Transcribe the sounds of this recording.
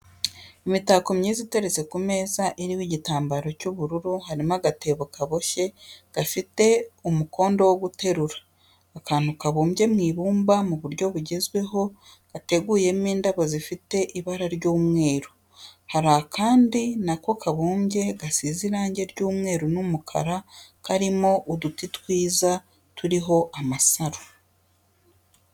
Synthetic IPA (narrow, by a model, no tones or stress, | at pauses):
imitakomɲiːzite̞ɾet͡se̞kume̞ːzaʔeɾiwiɟitaːmbaɾo̞cuβuɾuɾuhaɾimaɡate̞βokaβo̞ʃe̞ɡ̥afite̞umukʰo̞ːndo̞woɡute̞ɾuɾaː | kaːn̥hukaβuːmbje̞mŋiːβuːmbamuβuɾɟo̞βuɟe̞zwe̞ɦo̞ | ɡ̥ate̞ɡuːje̞miːndaβazifite̞ʔiβaɾaɾɟoːmŋe̞ːɾo | haɾakaːndinako̞kaβuːmbɟe̞ɡasiːziɾaːɲɟe̞ɾɟuːmŋe̞ːɾonumukʰa̰ɾakaɾimo̞ʔudutitwiːza | tuɾiɦo̞ʔamasaɾo